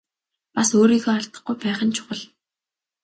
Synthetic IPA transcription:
pasoːɾiːɣoːaɮt̪ə̆χɡujpæːχə̆nt͡ɕʰʊ̥ʁə̆ɮ

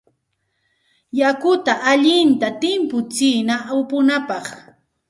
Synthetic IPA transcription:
jakʊt̪aʔaʎɪnt̪at̪ɪmpʊt͡siːnawpʊnapɑχ

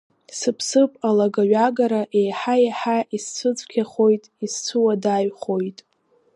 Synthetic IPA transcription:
sɨpʰsɨpʼalaɡaɥaɡaɾaʔe̞jħajaħaʔist͡sʷʰɨt͡sʷʼkʲʰaχo̞jtʼist͡sʷʰɨwadaɥχo̞jtʼ

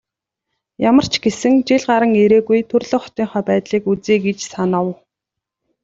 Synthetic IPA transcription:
jamə̆r̥t͡ɕʰɡesɘ̆ŋt͡ɕeɮɢaɾə̆ŋeɾeːɣujt̪ʰɵrɮŏːχɔ̥t̪iːŋχœːpæːt̪ɮiːkut͡siːɡet͡ɕsanə̆w

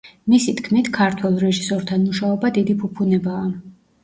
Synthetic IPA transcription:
misit̪ʰkʰmit̪ʰkʰaɾt̪ʰwɛlˠɾɛʒisɔɾt̪ʰanmuʃaɔbad̪id̪ipʰupʰunɛbaː

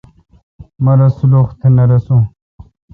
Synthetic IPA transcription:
mɐɾɐsuloxt̪ʰenɐɾɐsũ

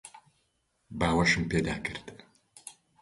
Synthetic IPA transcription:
baːwɐʃɨmpeːd̪aːkʰɨrt̪ʰ

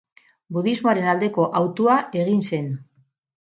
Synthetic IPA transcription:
buðizmoaɾe̞nald̪e̞ko̞ʔawt̪uaʔe̞ɣ̞inse̞n

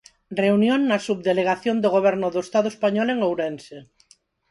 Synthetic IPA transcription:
reunjoŋnɐsuβ̚ðeleɣ̞aθjond̪oɣ̞oβ̞ɛɾnʊðoʊest̪aðʊespaɲɔleŋowɾense

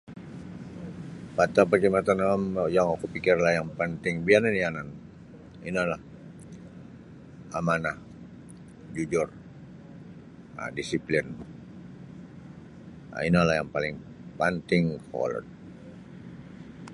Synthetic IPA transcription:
pat̪apakimat̪anamjaŋakupikɪrlahjaŋpənt̪ɪŋbiananianan | ḭnalah | amanah | d͡ʒud͡ʒʊr | a̰disiplɪn | a̰inalahjaŋpalɪŋ | pant̪ɪŋkɔ̰lɔ̰t̪̚

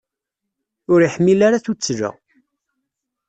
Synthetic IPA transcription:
ʊɾiħmːilaɾaθut͡sːʒə̰

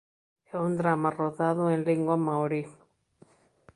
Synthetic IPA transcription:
eund̪ɾamaroðaðoenleŋɡwamawɾi

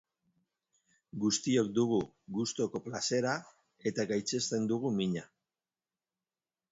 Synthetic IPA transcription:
ɡust̪io̞k̚d̪uɣ̞u | ɡust̪o̞ko̞plase̞ɾa | e̞t̪aɡajt͡se̞st̪e̞nd̪uɣumiɲa

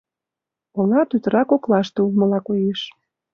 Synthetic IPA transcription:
olɑt̪yt̪əɾɑkoklɑʃt̪eulmə̆lɑkojeʃ

